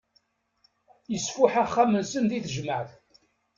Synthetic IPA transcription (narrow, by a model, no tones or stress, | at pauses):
jəsfʊħæχːæmənsənðiθʒməʕθ